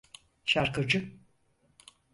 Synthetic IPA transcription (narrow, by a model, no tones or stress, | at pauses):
ʃaɾkɯd͡ʒɯ